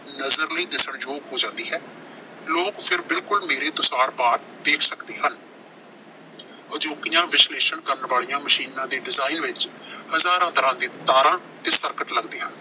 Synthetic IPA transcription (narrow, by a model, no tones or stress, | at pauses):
nəzəɾləiːd̪ɪsəɳjoːɡɦoːd͡ʒãːnd̪iːɦɛː | loːkpʰɪɾbɪlkʊlmeːɾeːt̪ʊsaːɾpaːɾ̚ | d̪eːkʰsəkd̪eːɦən | əd͡ʒoːkɪjãːʋɪsleːʃəɳkəɾnʋaːɭijãːməʃiːnãːd̪iːɖɪzaːinʋɪt͡ʃhəzaːɾãːt̪əɾãːd̪iːt̪aːɾãː | t̪eːsəɾkəʈləɡd̪eːɦə̃n